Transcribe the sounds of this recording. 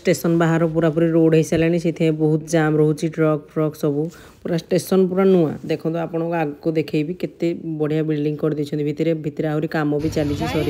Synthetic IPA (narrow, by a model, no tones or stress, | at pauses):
sʈesɔnbaɦaɾɔpuɾapuɾiɾoɖɦejsalañisit̪ʰɛ̃ẽbɔɦut̪ɔd͡ʒamɾoɦut͡ʃiʈɾɔk̚ʈɾɔksɔbu | puɾasʈesɔnpuɾanua̰d̪ekʰɔ̃t̪ɔapɔɽ̃ɔkuaɡkud̪ekʰejbiket̪ebɔɽ̤ijabilɖiŋɡkɔɾid̪it͡ʃʰɔ̃nt̪ibʱit̪iɾebʱit̪iɾeaɦuɾikamɔbʱit͡ʃalit͡ʃʰisɔɾi